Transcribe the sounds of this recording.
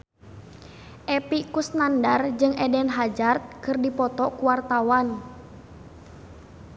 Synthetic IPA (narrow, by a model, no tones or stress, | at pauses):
ʔɛpikusnandard͡ʒɨŋʔɛdɛnɦad͡ʒart̪̚kɨrdipɔt̪ɔʔkuwart̪awan